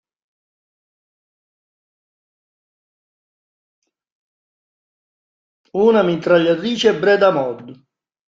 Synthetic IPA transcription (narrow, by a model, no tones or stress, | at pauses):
uːnamint̪ɾaʎːat̪ɾiːt͡ʃɛɛbɾɛd̪amɔd̪ːu